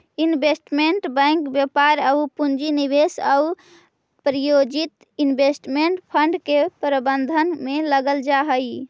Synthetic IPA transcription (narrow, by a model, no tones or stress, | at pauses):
inbʱesʈmeɳʈbə̃ŋkbjepaɾəupund͡ʒinibesəu | pɾijod͡ʒit̪ | inbʱesʈmeɳʈpʰəɳɖkepɾəbənd̪ʱənmeləɡəld͡ʒaɦəj